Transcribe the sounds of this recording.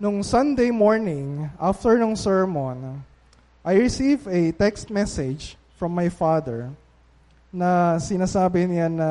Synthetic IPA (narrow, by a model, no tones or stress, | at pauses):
nʊŋsɐ̃nd̪ejmoɹnɪ̃ŋʔaft̪ɛɹnʊŋsɛɹmon | ʔajɹɪsivɛt̪ɛkst̪̚mɛsɪd͡ʒ | fɹɐ̃mːajfad̪ɛɹ | nɐsɪnaːsaːbɪnanɐ